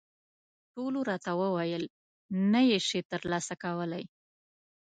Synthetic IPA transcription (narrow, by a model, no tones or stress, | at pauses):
ʈoloɾɑt̪awəwajəl | najeʃet̪əɾlɑsakawəlaj